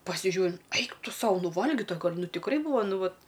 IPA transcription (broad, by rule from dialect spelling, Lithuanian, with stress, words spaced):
pɐsʲɪˈʒʲuː ˈɛɪk ˈtʊ ˈsɐʊ ˈnʊ ˈʋɐlʲɡʲɪtɐ ˈɡɐlʲ ˈnʊ tʲɪkˈrɐɪ ˈbuːʋɐ ˈnʊ ˈʋɐt